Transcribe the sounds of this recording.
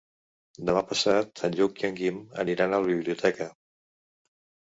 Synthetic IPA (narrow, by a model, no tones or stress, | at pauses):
d̪əmapəsat̪əʎukjəŋɡimə̰niɾanəlˠβiβliut̪ʰɛkə